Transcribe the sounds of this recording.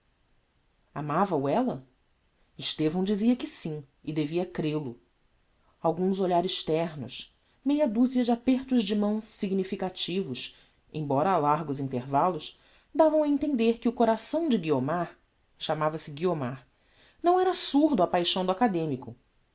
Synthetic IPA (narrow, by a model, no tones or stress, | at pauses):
amavɐuɛlɐ | ɪʃt̪evɐ̃w̃d͡ʒiziɐkɪsĩ | ɪd̪eviɐkɾelʊ | awɡũzoʎaɾɪʃt̪ɛɾnʊ̰ʃ | mejɐd̪uziɐd͡ʒɪapeɾt̪ʊzd͡ʒɪmɐ̃w̃ssiɡnifikat͡ʃivʊs | ḛ̃j̃bɔɾɐːlaɾɡʊzĩnt̪eɾvalʊʃ | d̪avɐ̃w̃ɐẽnt̪ẽnd̪eɾkɪʊkoɾasɐ̃w̃d͡ʒɪɡiomaɾ | ʃamavɐsɪɡiomaɾ | nɐ̃w̃ɛɾɐasuɾd̪uɐpajʃɐ̃w̃d̪ʊakad̪ẽmikʊ